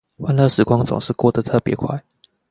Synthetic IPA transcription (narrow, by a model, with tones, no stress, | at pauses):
wa˥nlɤ˥˧˨ʂɻ̩˨˥kwɑ˦˥ŋt͡sʊ̰˨˩ŋʂɻ̩˥˧kwɔ˥˩d̪ə˨t̪ʰɤ˥˨pjɛ˨˦kʰwa˥˩ɪ